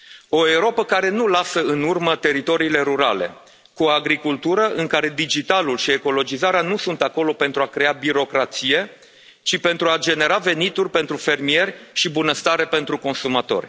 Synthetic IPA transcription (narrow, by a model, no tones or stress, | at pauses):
o̞euɾo̞pəkaɾe̞nulasəɨnurmət̪e̞ɾit̪o̞ɾiːle̞ɾuɾale̞̰ | kuoaɡɾikult̪uɾəʔɨŋkaɾe̞d̪id͡ʒit̪alulʃie̞ko̞lo̞d͡ʒizaɾeanusunt̪ako̞lo̞pe̞nt̪ɾuakɾe̞abiɾo̞kɾat̪sije̞ | t͡ʃipe̞nt̪ɾuad͡ʒe̞ne̞ɾave̞nit̪urʲpe̞nt̪ɾufe̞rmie̞rʲʃibunəst̪aɾe̞pe̞nt̪ɾuko̞nsumat̪o̞̰rʲ